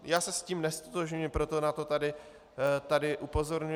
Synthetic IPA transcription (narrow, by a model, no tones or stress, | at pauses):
jaːsɛsciːmnɛst̪ot̪oʒɲuɪpɾo̞t̪o̞nat̪o̞t̪adɪ | t̪adɪʔupo̞zoɾɲu